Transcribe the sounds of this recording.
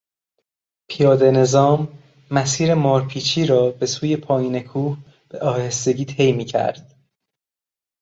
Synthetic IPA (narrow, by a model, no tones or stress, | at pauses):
pʰijɒːd̪e̞ne̞zɒːmː | æsiːɾe̞mɒːɾpʰiːt͡ʃʰiːɾɒːbe̞suːje̞pʰɒːjiːne̞kʰuːh | b̥eʔɒːhe̞st̪e̞ɟiːt̪ʰe̞jmiːcʰæ̰ɾd̪̥